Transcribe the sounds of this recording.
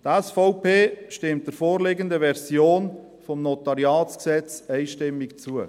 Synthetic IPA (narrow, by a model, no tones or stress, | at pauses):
dɛsfɔʊpʰeːʃtɪmt̚d̥əɾfoːɾleɡəndəvɛɾzjoːn | fɔmnotɑɾjɑːt͡sksɛt͡sɛɪʃtɪmːɪkt͡suə